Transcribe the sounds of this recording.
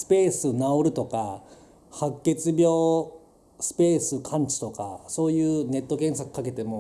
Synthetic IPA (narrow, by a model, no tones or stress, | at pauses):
sɨ̥pe̞ːsɨnaoɾɯ̟t̪o̞ka | hakːe̞t͡sɨbʲjo̞ː | sɨ̥pe̞ːsɨkʰãɲ̟t͡ɕi̥t̪o̞ka̰so̞ːjɯ̟ːne̞t̪ːo̞kẽ̞ɰ̃sakɯ̟̥kake̞t̪e̞mo̞